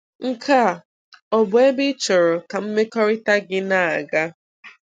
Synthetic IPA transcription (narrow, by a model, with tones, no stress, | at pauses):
ŋ̩˨kʰa˦˨ | ɔ˨bʊ˨e˦bɪ˦t͡ʃʊ˨ɾʊ˨ka˨m̩˦me˦kɔ˦ɾɪ˦ta˦ɡɪ˦na˦˨a˨ɡa˦